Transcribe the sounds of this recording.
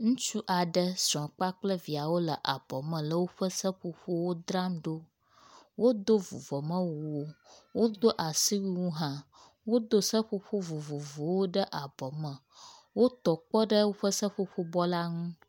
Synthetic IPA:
ŋũ˦t͡ʃu˦ʔa˨ɖə˦sɔ̃˨k͡pa˦k͡plə˦vi˨a˨wo˦lə˨ʔa˨bɔ˨mə̃˨lə˦wo˦ɸə˦sə˦ɸo˦ɸo˦wo˦d̪ɾa˦mɖo˦ | wo˦d̪o˦vṵ˨vɔ˨mə̃˦wu˨wo˦wo˦d̪o˦ʔa˨si˦wi˦wũ˦ɦã˦ | wo˦d̪o˦sə˦ɸo˦ɸo˦vo˨vo˨vo˨wo˦ɖə˦ʔa˨bɔ˨mə̃˨ | wo˦t̪ɔ˨k͡pɔ˦ɖə˦wo˦ɸə˦sə˦ɸo˦ɸo˦bɔ˦la˦ŋũ˦

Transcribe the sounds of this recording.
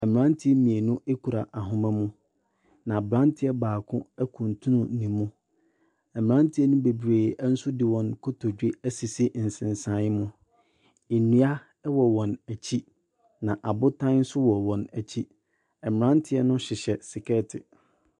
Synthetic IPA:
ɛ˨mɪ̃˨ɾã˦ntʰɪ˦ɛ˦mĩ˨e˨nʊ̃˦ʔe˦kʰu˨ɾa˨ʔa˨ɦʊ̃˨mã˦mũ˦ | nã˨bɾã˦ntʰɪ˦ɛ˦baː˨kʰʊ̃˦ɛ˦kʰũ˨n˨tʰũ˦nʊ̃˨˦nĩ˨mːũ˦ | ɛ˨mɪ̃˨ã˦ntʰɪ˦ɛ˦nʊ̃˦be˨bɾeː˨˦n̩˦sʊ˦dɪ˨wɔ̃˨nkʰo˦tʰo˨d͡ʑᶣe˦æ˦si˨si˦˨n̩˨sɪ̃˨n˨sã˨˦mʊ̃˦ | e˨nĩ˨˦a˦ | wɔ˨wɔ̃˨næ˨t͡ɕʰi˦ | nã˨ʔa˨bʊ˦tʰã˦nn̩˦sʊ˦wɔ˨wɔ̃˨næ˨t͡ɕʰi˦ | ɛ˨mɪ˨ɾã˦ntʰɪ˦ɛ˦nʊ̃˦ɕɪ˨ɕɛ˨sɪ˨kʰɛ˦tʰɪ˨

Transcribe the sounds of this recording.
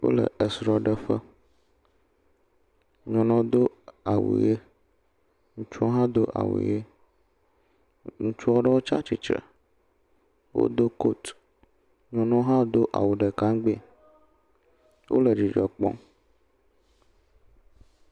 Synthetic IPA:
wo̰˦lə̰˨ə˨sɾɔ˨ɖə˦ɸə˦ | ɲɔ̃˨nɔ̃˦d̪o˦a˨wṵ˨je˦ | ŋũ˨t͡ʃu˦ɔ˦ɦã˦d̪o˦ʔa̰˨wṵ˨je˦ | ŋũ˦t͡ʃu˦ɔ˦ɖə˦wo˦t͡ʃa˦t͡ʃi˨t͡ʃə̰˨ | wo̰˦d̪o˦ko˦t̪ | ɲɔ̃˨nɔ̃˦ɦã˦d̪o˦ʔa˨wu˨ɖə˨kã˦ŋɡ͡be˦˨ | wʔo̰˦lə˨d͡ʒi˨d͡ʒɔ˨k͡pɔ̰̃˦

